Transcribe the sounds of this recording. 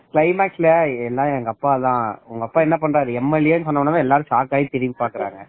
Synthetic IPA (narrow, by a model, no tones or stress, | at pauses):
klɐɪmaːksɪlɐɛlːaːɐŋɡɐpːaːðãːʊŋɡɐpːaːɛnːɐpɐɳːɾaːɾɯɛmːɛleːnɯs̬ɔnːɐɐnːɐʋãːɛlːaːɾɯ̃saːkaːjĩt̪ɛɾɪʋipaːkːɪɾa̰ːŋɡɐ